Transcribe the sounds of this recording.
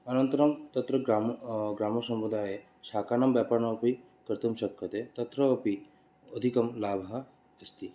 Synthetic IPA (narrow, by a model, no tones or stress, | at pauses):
ɐnɐnt̪ɐɾɐmt̪ɐt̪ɾɐɡamɡɾaːmɐsɐmɾud̪ʱaːje | saːkaːnɐmbjaːpaɾnɐpi | kɾt̪umʃɐkʰːɐt̪et̪ɐt̪ɾɐːpi | od̪ʱikɐmlaːbʱɐɦɐ | est̪ʰi